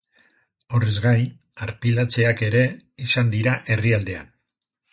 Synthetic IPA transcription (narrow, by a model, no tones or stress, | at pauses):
o̞rezɣajn | aɾpilat͡se̞ake̞ɾe̞isand̪iɾaʔe̞riald̪e̞a̰n